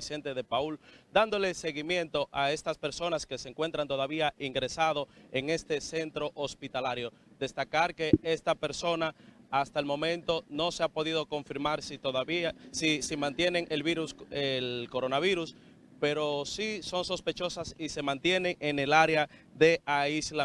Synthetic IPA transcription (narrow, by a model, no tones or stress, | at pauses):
isent̪eðe̞pauld̪and̪o̞le̞se̞ɣimjẽ̞nt̪o̞ʔae̞st̪aspeɾso̞naske̞seŋkwe̞nt̪ɾant̪o̞ðaβiaʔiŋɡɾe̞sað̞o̞e̞ŋe̞st̪e̞se̞nt̪ɾo̞ʔospit̪alaɾjo̞ | d̪e̞st̪akaɾke̞e̞st̪ape̞ɾso̞naast̪aelmõ̞mẽ̞nt̪o̞no̞seapo̞ðið̞o̞ko̞ɱfiɾmaɾsit̪oðsisimãnt̪je̞ne̞ŋe̞lβiɾuselko̞ɾo̞naβ̞iɾus | pe̞ɾo̞siso̞ŋso̞spe̞t͡ʃo̞sasise̞mãnt̪je̞nẽ̞ŋene̞laɾea | ðe̞aisla